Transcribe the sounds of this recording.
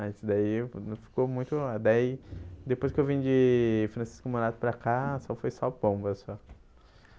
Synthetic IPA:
ad̪aifi̥komũj̃t̪ʊlad̪aid̪epojskɪewvĩd͡ʒɪfɾɐ̃si̥skʊmoɾat̪ʊ̥pɾɐkasɔfojsawpõbɐsɔ

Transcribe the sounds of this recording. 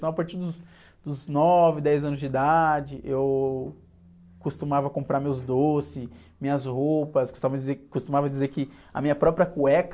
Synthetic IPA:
ɐ̃w̃ɐpaɾt͡ʃiɾd̪ʊs | d̪̥ʊznɔvɪd̪ɛjzɐ̃nʊzd͡ʒid̪ad͡ʒɪʔew | kust̪umavɐkõpɾaɾmewzd̪osɪ | mĩɲɐzhopɐskost̪avɐd͡ʒɪzekost̪umavɐd͡ʒizeɾkɪ | ɐ̰mĩɲɐpɾɔpɾiɐkuɛk

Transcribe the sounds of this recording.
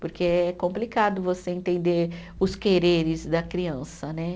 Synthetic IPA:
poɾkeɛkõmplikad̪ʊvoseẽnt̪ẽnd̪eɾʊskeɾeɾɪzd̪ɐkɾiɐ̃sɐnɛ

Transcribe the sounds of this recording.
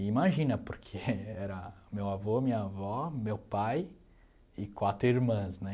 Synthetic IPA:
imaʒĩnɐpoɾkʰeɛɾɐmewavomĩɲɐavɔmewpaj | ɪkwat̪ɾʊiɾmɐ̃snɛ

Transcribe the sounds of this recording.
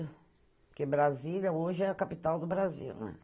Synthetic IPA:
kɪbɾazilʲɐoʒɪɛɐkapit̪awd̪ʊbɾazḭwnɛ̰̃

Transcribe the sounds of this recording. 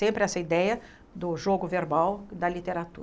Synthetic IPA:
ẽmpɾɪɛsɐid̪ɛjɐ | d̪ʊʒoɡʊveɾbawd̪ɐlit̪eɾat̪ṵɾɐ

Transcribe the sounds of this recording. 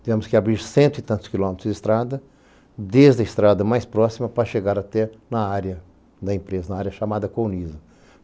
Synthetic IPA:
d̪vẽmʊskɪabɾiɾsẽnt̪ʊit̪ɐ̃t̪ʊskilõmet̪ɾʊzd̪ɪst̪ɾad̪ɐ | d̪ezd̪ɐɪst̪ɾad̪ɐmajspɾɔsimɐpɾɐʃeɡaɾat̪ɛnɐaɾjɐ | d̪ɐẽmpɾezɐnɐaɾjɐʃamad̪ɐkownizɐ

